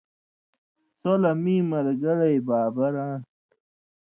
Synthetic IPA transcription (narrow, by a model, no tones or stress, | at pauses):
solɐmiːmɐɾɡɐɽɐjbaːbɐɾãː